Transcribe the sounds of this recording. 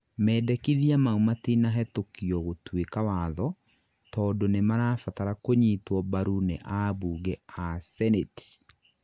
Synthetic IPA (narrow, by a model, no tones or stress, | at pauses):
mɛːdɛkiðiamaumatenaɦɛtokiɔɣotwekawaðɔ | tɔːdonemaɾafataɾakoɲitwɔbaɾuneʔabuːɣɛasɛneti̥